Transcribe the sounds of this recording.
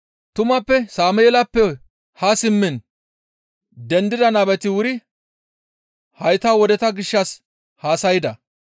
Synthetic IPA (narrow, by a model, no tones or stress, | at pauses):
t̪ʊmɐpːɛsaːmɛjɛlɐpːɛ | hɐsɪmːɪn | d̪ɛnd̪ɪd̪ɐnɐbɛt̪ɪwʊɾɪ | hɐjt̪awɔd̪ɛt̪ɐɡɪʃːɐs | haːsɐjɪd̪ɐ